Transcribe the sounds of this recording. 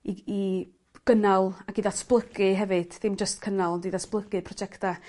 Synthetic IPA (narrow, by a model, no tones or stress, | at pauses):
ii | ɡ̥ənalˠaɡiðasblˠəɡɨɦɛvɨd̥θɪmd͡ʒəstkʰənalˠɔndiðasblˠəɡɨpʰrɔd͡ʒɛkta